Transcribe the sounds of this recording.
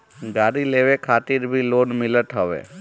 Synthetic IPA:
ɡaːɾileʋekʰaːt̪ɪɾbʱiloːnmɪlət̪ɦəʋḛː

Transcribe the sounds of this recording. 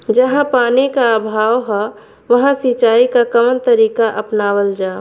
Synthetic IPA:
d͡ʒəɦãpaːnikaəbʱaːwɦɛ | ʋəɦãsit͡ʃaːikakəmənt̪əɾiːkaʔəpnaːwəld͡ʒaː

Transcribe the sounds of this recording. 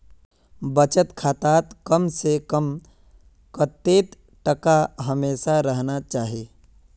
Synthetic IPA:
bət͡ʃət̪kʰaːt̪aːt̪kəmsekəm | kət̪ːeːt̪ | ʈəkaɦəmeːsaɾəɦnat͡ʃaːɦeː

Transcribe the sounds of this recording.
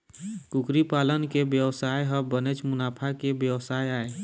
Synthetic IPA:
kʊkɾipaːlənkebjəwsaːjɦəbənet͡ʃmʊnaːpʰakebjəwsaːjaːe

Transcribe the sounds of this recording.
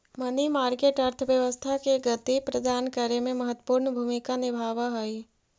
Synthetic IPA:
mənimaːɾkeːʈəɾt̪ʰəʋjəʋəst̪ʰakeɡət̪ipɾəd̪ʱaːnkəɾemẽmɐɦət̪ːwə̥puːɾnbʱumikanɪbʱaːʋaɦoi

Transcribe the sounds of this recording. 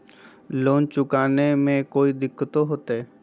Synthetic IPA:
loːnt͡ʃʊkaːnemẽkoːid̪ɪkʰːt̪oɦot̪eː

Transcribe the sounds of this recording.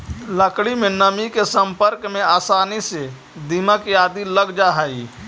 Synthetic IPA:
ləkɽimenəmikesəmpəɾkmeaːsaːnise | d̪imakiaːd̪iləɡd͡ʒaɦai

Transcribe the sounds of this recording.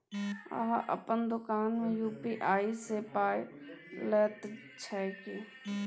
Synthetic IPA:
a̰ɦaʔə̰pənd̪ʊkaːnmẽjuːpiːʔaːisepaːjləːt̪ | t͡ʃʰɛːkeː

